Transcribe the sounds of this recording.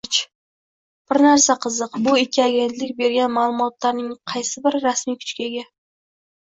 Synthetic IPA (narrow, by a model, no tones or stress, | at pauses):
t͡ʃ | b̥ɪɾnaɾsaqʰɨzɨqbʊɪkʲʰːiaɡʲe̞nt̪lɪkʲbe̞ɾɡʲanmaːlˠʊmɒt̪laɾnɪŋqʰɑjsɪbɪɾːasmijkʰʊ̥t͡ʃkʲaɡʲa